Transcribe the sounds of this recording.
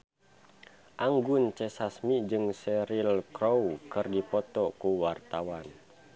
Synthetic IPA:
ʔaŋɡʊnt͡ʃɛsasmid͡ʒɨŋsɛɾilkɾowkɨrdipɔt̪ɔkuwart̪awan

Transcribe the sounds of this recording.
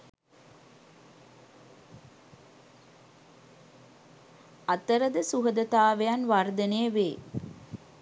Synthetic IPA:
ɐt̪ːɐɾɐd̪ɐsuɦɐd̪ɐt̪aːʋɐjanʋaːɾd̪ɐneʋeː

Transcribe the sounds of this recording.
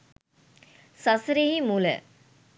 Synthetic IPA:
sɐsɾeɦimulə̰

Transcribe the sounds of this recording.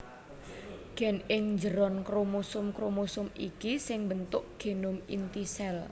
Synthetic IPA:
ɡ̥ɛ̤nɪŋɲd͡ʒəɾɔnkɾomusʊmkɾomusʊmḭkisɪŋbənt̪ʊʔɡ̥e̤nʊmḭnt̪isɛl

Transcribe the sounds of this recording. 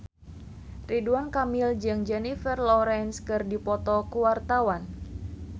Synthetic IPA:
riduankamild͡ʒɨŋd͡ʒɛnifərlɔɾɛnskɨrdipɔt̪ɔkuwart̪awan

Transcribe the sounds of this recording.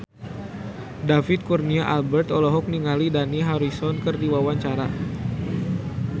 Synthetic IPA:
dafɪt̪̚kurniaʔalbɛrt̪ɔlɔɦɔk̚niŋalidaniɦaɾisɔnkərdiwawaɲt͡ʃaɾa

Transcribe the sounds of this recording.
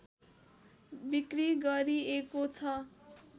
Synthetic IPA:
bikriɡʌɾiekot͡sʰʌ

